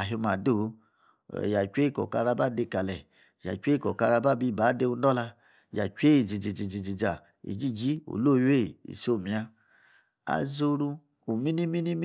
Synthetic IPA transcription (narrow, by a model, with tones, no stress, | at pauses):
a˨ɦo˧ma˨do̰˦˨˦ | ja˨t͡ʃʷe˦˨kɔ̰˨ka˧ɾa˧ba˦˨de˧ka˨lɛ˨ | ja̰˨t͡ʃʷe˦kɔ˨ka˧ɾa˧ba˦˨bi˧˦˨baː˨˦de˧u˧˦dɔ˦la˧˨ | ja˨t͡ʃʷe˦i˨d͡ʒi˨d͡ʒi˨d͡ʒi˨d͡ʒi˨d͡ʒi˨d͡ʒa˨ | ḭ˨d͡ʒi˦˨d͡ʒi˦o̰˨lo˦˨˦je˦˨ḭ˨so˦˨mi˨a˧ | a̰˨zo˧ɾu˧ | u˨mi˦ni˦mi˦ni˦m˦